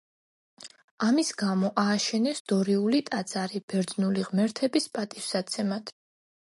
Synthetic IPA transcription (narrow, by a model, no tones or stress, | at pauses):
amisɡamɔʔaːʃɛnɛsd̪̥ɔɾiulit̪ʼat̪z̥ʼaɾib̥ɛɾd̪znuliʁmɛɾt̪ʰɛbispʼat̪ʼissat̪sʰɛmad̪̥ʰ